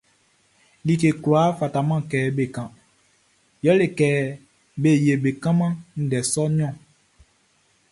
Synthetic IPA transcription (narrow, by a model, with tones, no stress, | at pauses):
li˨ke˨kwa˨˦fa˨ta˨mã˦˨kɛː˨˦be˨kã˨ | jɔ˦le˨kɛː˨˦ | be˦˨je˨be˨kã˦mã˦n̩˨dɛ˨sɔ˦ɲɔ̃˦˨